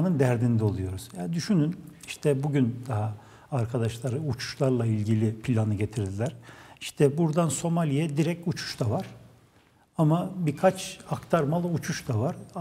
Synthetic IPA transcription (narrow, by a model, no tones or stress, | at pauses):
nɯnd̪æɾd̪ind̪ɛo̞lˠujo̞ɾuz̥jad̪yʃynyniʃt̪ʰɛbuɟynd̪aɦaː | ɾkʰad̪aʃlˠaɾɯut͡ʃʰu̥ʃlˠaɾlˠailʲɟilʲipʰilʲanɯɟe̞t̪ʰiɾd̪ilʲæɾ̥iʃt̪ʰɛbuɾd̪anso̞malʲijɛd̪iɾɛc̚cut͡ʃʰu̥ʃt̪avaɾ̥ | amabiɾkʰat͡ʃakt̪ʰaɾmalˠɯut͡ʃʰuʃd̪avaɾ